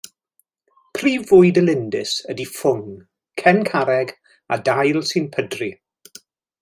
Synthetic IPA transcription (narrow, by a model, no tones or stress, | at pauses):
pʰriːvʊjdəlɪndɪsədifʊŋ | kʰɛnkʰaɾɛɡ | a̰dajlˠsɨnpʰədri